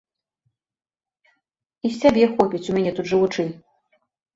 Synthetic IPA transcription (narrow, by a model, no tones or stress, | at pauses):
isʲabʲɛxɔpʲit͡sʲumʲanʲɛt̪ut̪ʐɨvut͡ʂɨnʲ